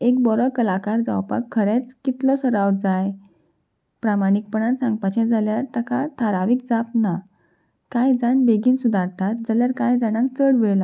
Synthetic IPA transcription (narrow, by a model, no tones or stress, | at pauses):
ek̚bɔɾɔkəlakaɾd͡za̰wpa̰kʰːəɾet͡skit̪lɔsəɾawt̪d͡zaj | pɾamaɽ̃ik̚pəɳansãŋɡ̚pat͡ɕɛ̃d͡zaljaɾt̪akat̪ʰaɾaʋiːk̚d͡zapna | kãjd͡zaɳbeɡiːnsud̪ʱaɾt̪at̪̚d͡zaljaɾkãjd͡zanãk̚t͡səɽʋɛɭla